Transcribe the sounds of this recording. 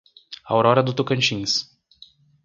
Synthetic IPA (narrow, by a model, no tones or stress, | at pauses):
a̰wɾɔɾɐd̪ʊt̪okɐ̃nt͡ʃĩs